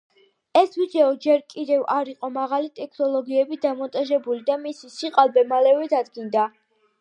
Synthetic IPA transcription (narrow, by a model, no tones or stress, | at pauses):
ɛsvid̪ɛɔd͡ʒɛɾkʼid̪ɛvaɾiqʼɔmaʁalit̪ʼɛkʰnɔlˠɔɡiɛbid̪amɔnt̪ʼaʒɛbulid̪amisisiqʼalˠbɛmalɛvɛd̪ad̪ɡind̪a